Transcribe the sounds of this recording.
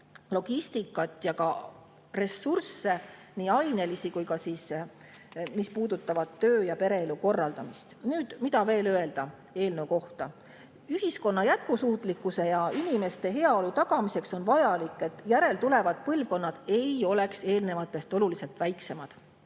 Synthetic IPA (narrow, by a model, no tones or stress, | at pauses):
lo̞ɡ̥ist̪ikːˑɑt̪ːˑjɑkɑ | re̞sːursːe̞niɑjne̞lisikujkɑsiːs | mispuːd̪ut̪ːˑɑvɑt̪ːøːjɑpe̞ɾe̞eluko̞rːɑld̪̥ɑmist̪nyːd̪̥mid̪ɑve̞ːløe̞ld̪̥ɑ | e̞ːlne̞uko̞ht̪ɑ | yɦisko̞nːɑjæt̪̚kusuːt̪ˑlikːˑuse̞jɑinime̞st̪e̞ɦe̞ɑo̞lut̪ɑɡ̥ɑmise̞kso̞nvɑjɑlikːˑe̞t̪ːˑjæɾe̞lt̪ule̞vɑd̪̥̚pɤlvko̞nːɑd̪̥e̞jo̞le̞kse̞ːlne̞vɑt̪ːˑe̞st̪o̞lulise̞lt̪væjkse̞mɑd̪̥